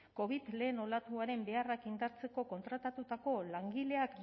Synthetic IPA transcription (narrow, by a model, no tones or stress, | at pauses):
ko̞β̞it̪le̞ːno̞lat̪uaɾe̞mbe̞arakind̪aɾt͡se̞ko̞ko̞nt̪ɾat̪at̪ut̪ako̞laŋɡile̞ak